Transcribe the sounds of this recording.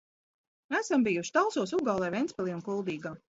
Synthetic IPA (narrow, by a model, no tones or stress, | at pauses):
æsambijuʃt̪alˠsuɔs̬uɡaːlˠɛvɛnspʲɛlˠiːunkulˠd̪iːɡaː